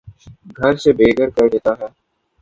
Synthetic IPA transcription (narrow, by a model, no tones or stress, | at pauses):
ɡʱɐɾsebeːɡʱəɾkɐɾd̪eːt̪aɦɛː